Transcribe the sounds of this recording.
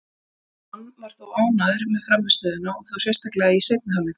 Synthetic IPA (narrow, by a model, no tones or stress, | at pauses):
hanvaɾ̥θawaːwnaðɪɾmɛðfɾamːɪ̥st̪œːðɪnaɔɣθawsjɛst̪ahklɛɣaisɛk̪̚nɪhalːɪ